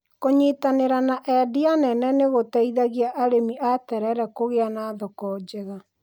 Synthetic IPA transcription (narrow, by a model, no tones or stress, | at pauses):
koɲeːtaneɾanaʔɛdianɛnɛneɣotaiðaɣiaʔaɾemiʔatɛɾɛɾɛkoɣeanaːðɔkɔːd͡ʑɛɣa